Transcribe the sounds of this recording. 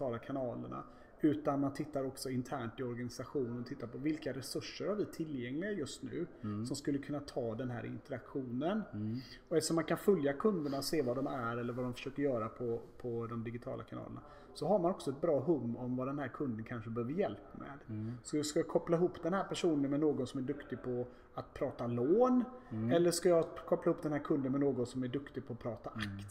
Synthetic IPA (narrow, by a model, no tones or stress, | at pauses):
ɑːlakʰanɑːlə̰ɳa̰ | ʉ̟ːt̪anmant̪ʰɪt̪ːaɾɔksɔɪnt̪ʰæːɳʈɪɔɾɡanɪsaɧuːnənɔt̪ʰɪt̪ːaɾpʰɔvɪlkaɾɛsɵʂːəɾhaɾvɪt̪ʰɪlːjɛŋlɪɡajɵst̪nʉ̟̰ːsɔmskɵlːəkʰɵnːat̪ʰɑːd̪ɛnɦæ̰ːɾʔɪ̰nt̪əɾakɧuːnən | ɔɛʂɔmːankʰanfɵljakʰɵnd̪əɳaseːvad̪ɔmæɾɛlːəɾvad̪ɔmfœ̥ə̥ʂøːkəɾjœːɾapʰɔpʰɔd̪ɔmd̪ɪɡɪt̪ʰɑ̰ːlʔa̰kʰanɑ̰ːlə̰na̰ | sɔɦaɾmanɔksɔɛt̪̚bɾɑːɦɵmːɔmvad̪ɛnhæːɾkʰɵnd̪ənkʰanʂəbəɛhøːvəɾjɛlpmɛ̰ːd̪sɔskajakʰɔpːlaɪɦuːpːd̪̥ɛnhæːɾpʰæʂuːnənmɛnoːɡɔnsɔmæɖɵkt̪ɪɡ̚pʰɔ | at̪pʰɾɑːt̪aloːnɛlːəʂkajɑkʰɔplahuːp̚ːd̪ɛnhæːɾkʰɵnd̪ənmɛnoːɡɔnsɔmæɖɵkt̪ɪɡ̚pʰɔːpʰɾɑːt̪aʔakt̪